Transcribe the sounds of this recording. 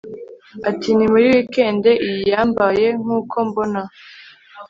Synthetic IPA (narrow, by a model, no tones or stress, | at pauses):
atinimuɾiwike̞ːnde̞ʔijijaːmbaje̞ŋ̥uːkʰo̞mbo̞na